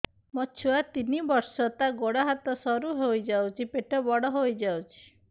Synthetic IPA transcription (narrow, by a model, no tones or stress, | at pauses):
mɔt͡ʃʰuat̪inibɔɾsɔt̪aɡoɽaɦat̪ɔsɔɾuɦojd͡ʒawt͡ʃʰipeʈɔbɔɽɔɦojd͡ʒawt͡ʃʰi̥